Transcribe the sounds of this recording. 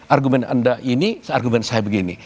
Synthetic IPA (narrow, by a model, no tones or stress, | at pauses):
ʔarɡumɛna̰ndaʔinisəarɡumɛnsajabəɡini